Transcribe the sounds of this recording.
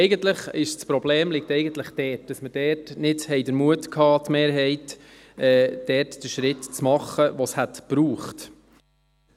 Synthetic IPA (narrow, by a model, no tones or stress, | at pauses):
ɛɪɡəntləχɪʃt͡spɾɔbleːmlɪk̚tɛɪjɡən̩t̪ləχd̥ɛːt̚d̥ɑsməd̥ɛːɾtnɪdhɛɪdəɾmuətkʰɑːt̪meːɾɦɛɪt | ɛːd̥ɛːrtd̥əʃɾɪtt͡smɑχːəʋɔshætpɾuːχt